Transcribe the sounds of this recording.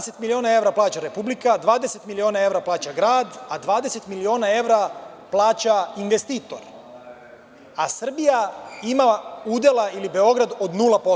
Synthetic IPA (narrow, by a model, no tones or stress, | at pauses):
set̪milio̞ːnae̞ʋɾaplˠaːt͡ɕaɾepublikad̪ʋaːd̪e̞se̞t̪milio̞ːnae̞ʋɾaplˠaːt͡ɕaɡɾaːd̪ad̪ʋaːd̪e̞se̞t̪milio̞ːnae̞ʋɾa | plˠaːt͡ɕainʋe̞st̪iːt̪o̞ɾ | asr̩bijaimauːd̪je̞lˠailibe̞o̞ɡɾad̪o̞d̪nuːlapo